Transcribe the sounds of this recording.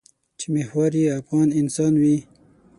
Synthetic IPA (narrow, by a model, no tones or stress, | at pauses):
t͡ʃimehwaɾiafɣɑːnɪnsɑːnwi